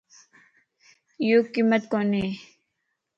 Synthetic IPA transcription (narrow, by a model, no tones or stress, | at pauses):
joːkimːət̪koːne